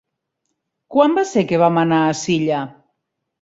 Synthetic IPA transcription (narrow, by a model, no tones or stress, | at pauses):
kwambasekeβamanaːsiʎa